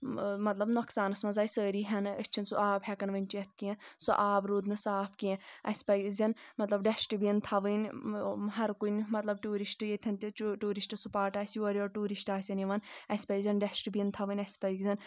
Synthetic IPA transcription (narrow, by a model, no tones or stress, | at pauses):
mɐt̪lɐbnɔksaːnɐsmɐzaːjsəːɾiːɦʲɐnɐ̰sʲt͡ʃʰinsuʔaːbɦʲɛkɐnʋɐnʲt͡ʃɐt̪ʰkiẽsṵʔaːbɾuːd̪nɨsaːpkiẽɐsʲpɐjzʲɐnmɐt̪lɐbɖɛʃʈɨbijɐnt̪ʰɐʋɨnʲɦɐɾkunʲmɐt̪lɐb̚ʈuːɾiʃʈjet̪ʲʰɐnt̪iʈuːɾiʃʈɨsupaːʈaːsʲoɾʲiɔːʈuːɾiʃʈaːsʲɐniʋɐnɐsʲpɐjzʲɐnɖɐsʈɨbijɐnt̪ʰɐʋɨnʲɐsʲpɐjɡzʲɐn